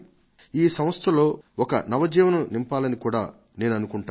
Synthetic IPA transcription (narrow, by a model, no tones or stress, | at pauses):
iːsɐ̃m̃ɐst̪ʰɐlo̞ːɔkɐ̰nɐʋɐd͡ʒɛːʋɐnɐnimpaːlɐnikuːɽaː | ne̞ːnuɐnukuɳʈaː